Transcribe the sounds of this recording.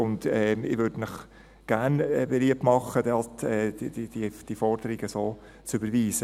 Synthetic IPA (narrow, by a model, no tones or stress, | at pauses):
ʊndɛɪʋøɾd̥mɪχ | ɡ̥æɾnɛbeliəp̚tmɑχəd̥ɑltɛ̥ːd̥id̥ifɔɾdəɾɪɡəsoː | t͡sʏbəɾviːsə